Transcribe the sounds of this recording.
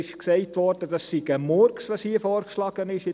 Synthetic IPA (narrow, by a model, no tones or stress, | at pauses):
ɪʃksɛɪtʋɔɾd̥ədɑsːiɡəmɔɾksʋoshiːfɔːɾkʃlɑɡ̥ənɪʃɪ